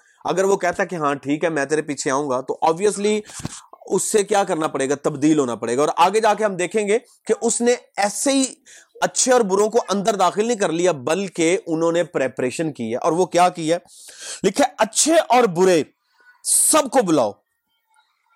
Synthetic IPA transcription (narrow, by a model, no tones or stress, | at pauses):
ɐ̰ɡəɾʋokɛɦt̪aɦɛkeɦãʈʰiːkɦɛmɛ̃ːt̪eːɾepiːt͡ʃʰeãːũːɡaːt̪oʔɔːbʋijəsli | ʊsːekjaːkɐɾnapɐɽeːɡat̪ɐbd̪iːlɦoːnapɐɽeːɡaɔːɾaːɡed͡ʒaːkeɦɐmd̪eːkʰẽːŋɡe | keʔʊsneɛːsei | ɐtːʃʰeɔːɾbʊɾõkoʔɐ̃nd̪əɾd̪aːxɪlnəɦĩk̬ɐɾlijabɐlkeʊnɦõːnepɾeːpɾeːʃənkiɦɛ̰ːʔɔːɾʋokjaːkiɦɛː | lɪkʰeʔɐtːʃʰeʔɔːɾbʊɾe | sɐbkobʊla̰ːo̰ː